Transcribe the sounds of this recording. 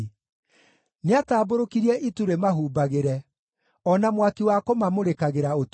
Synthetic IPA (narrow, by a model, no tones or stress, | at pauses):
neataːboɾokiɾiɛʔituɾemaɦuːbaɣeɾɛ | ɔnamwakiwakomamoɾekaɣeɾaot